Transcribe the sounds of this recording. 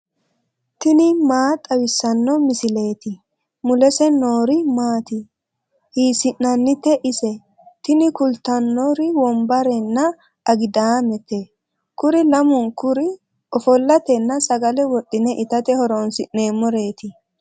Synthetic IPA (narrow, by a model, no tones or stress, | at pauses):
t̪ɪnɪmaːt̪ʼɐwɪsːɐnːɔmɪsɪle̞ːt̪ɪ | mʊlɛsɛnoːɾɪmaːt̪ɪ | hiːsɪnːɐnːɪt̪ːɛʔɪsɛ | t̪ɪnɪkʊlt̪ɐnːɔɾɪwɔmbɐɾɛnːɐ | ɐɡɪd̪aːmɛt̪e | kʊɾɪlɐmʊnkʊɾɪ | ɔfɔlːɐt̪ɛnːɐsɐɡɐlɛwɔɗːɪnɛʔɪt̪ɐt̪ɛhɔɾoːnsɪʔne̞ːmːɔɾe̞ːt̪ɪ